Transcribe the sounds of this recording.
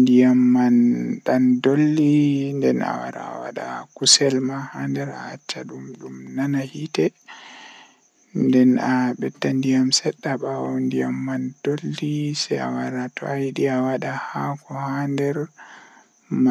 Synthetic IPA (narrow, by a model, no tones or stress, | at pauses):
ndijamːanɗandolːindɛna̰wa̰ɾa̰ːwa̰ɗa̰kusɛlmahaːndɛɾa̰at͡ʃːaɗumɗumnanahitɛ | ndɛnaɓɛtːandijamsɛɗːaɓawɔndijamːand̥olːisɛja̰waɾatɔajɗiawaɗahakɔhandɛɾ | ma